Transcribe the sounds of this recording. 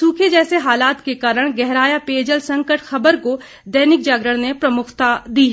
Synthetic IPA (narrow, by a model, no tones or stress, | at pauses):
suːkʰed͡ʒɛːseɦaːlaːt̪kekaːɾəɽ̃ɡɛɦɾaːjapeːd͡ʒəlsɐ̃ŋkəʈxɐbəɾko | d̪ɛːnɪk̚d͡ʒaːɡɾəɽ̃nepɾɐmʊkʰt̪ad̪iːɦɛː